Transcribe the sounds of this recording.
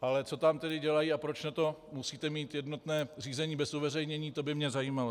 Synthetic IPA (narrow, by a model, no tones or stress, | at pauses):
ʔalɛt͡so̞t̪amt̪ɛdɪɟɛlajiapɾo̞t͡ʃnat̪o̞musiːt̪ɛmiːt̪jɛdno̞t̪nɛːr̝iːzɛɲiːbɛsuvɛrɛjɲɛɲiːt̪o̞bɪmɲɛzajiːmalo